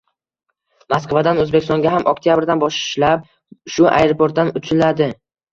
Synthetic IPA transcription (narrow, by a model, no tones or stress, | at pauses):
maskvad̪anɵzbekʲɪst̪ɒ̃ŋɡʲaɦamʔɒk̚t̪ʰijabɪɾd̪anbɒʃʃlap̚ | ʃʊʔa̰jɾopʰoɾt̪̚d̪anʊt͡ʃʰɪlad̪ɪ